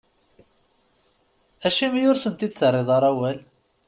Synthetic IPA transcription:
æʃimæjʊɾsənt̪id̪θərˤːɪðˤɑɾˤæwæl

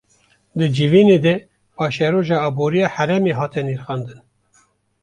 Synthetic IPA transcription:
d̪ɨd͡ʒiviːned̪ɛ | pʰɑːʃɛɾoːʒɑːboːɾijɑːhɛɾɛmeɦɑːt̪ɛniːɾxɑːnd̪ɨn

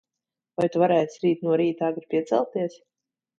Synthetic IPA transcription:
vajt̪uvaɾɛːsʲɾiːt̪nuɔɾiːt̪aːɡɾpʲiɛt̪sɛ̰lˠt̪iɛs

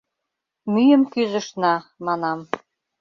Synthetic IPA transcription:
myjəmkyzə̆ʃnɑmɑnɑm

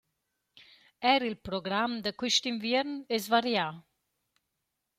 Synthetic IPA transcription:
ɛɾilpɾoɡɾamd̪əkwiʃt̪iɱvjɛɾnezvaɾja

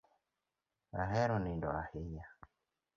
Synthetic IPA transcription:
aɦɛɾɔnindɔahija

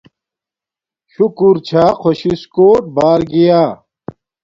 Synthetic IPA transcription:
ɕukuɾt͡ɕʰaːkʰoɕiskoːʈ̚baːɾɡijaː

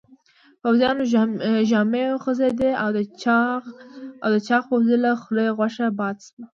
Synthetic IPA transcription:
fawzijɑnoʒɑmejoxəzed̪eawd̪ə | awd̪ət͡ʃɑxpozəlaxlejɣwaʃabɑd̪swa

